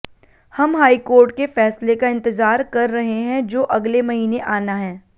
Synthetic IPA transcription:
hɐmɦaːikoːɾʈkefɛːslekaɪ̃nt̪ɪzaːɾkɐɾːɐɦeɦɛ̃d͡ʒoːʔɐɡlemɐɦiːneʔaːnaɦɛː

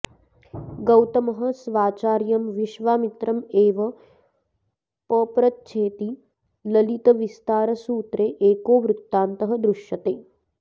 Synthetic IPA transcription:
ɡɐwt̪ɐmɐɦɐ̆sʋaːt͡ʃaːɾjɐmʋiʃʋaːmit̪ɾɐmeːʋɐ | pəːpɾɐt̪̚t͡ʃʰeːt̪i | lɐlit̪ɐʋist̪aːɾɐsuːt̪ɾeːʔeːkoːʋɾut̪ːaːnt̪ɐɦɐd̪ɾuʃjɐt̪eː

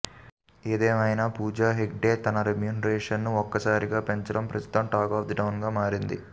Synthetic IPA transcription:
eːd̪ɛːmɐjnaːpuːd͡ʒaːɦek̚ɖeːt̪ɐnɐɾemjuːnɐɾeːʂɐnːuɔkːɐsaːɾiɡaːpeɲt͡ʃɐɽɐmpɾɐst̪u̥t̪ɐmʈaːkaːfd̪ɐʈɐwnɡaːmaːɾind̪ḭ

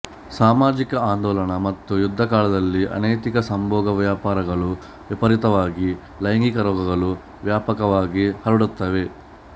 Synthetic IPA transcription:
saːmaːd͡ʒikɐaːnd̪ɔːlɐɳɐmɐt̪ːujud̪ʱːɐkaːɭɐd̪ɐlːiʔɐ̰nɐjt̪ikɐsɐmbʱɔːɡɐʋjaːpaːɾɐɡɐɭu | ʋipɐɾit̪ɐʋaːɡi | lɐjŋɡikɐɾɔːɡɐɡɐɭu | ʋjaːpɐkɐʋaːɡihɐɾuɽut̪ːɐʋe̞

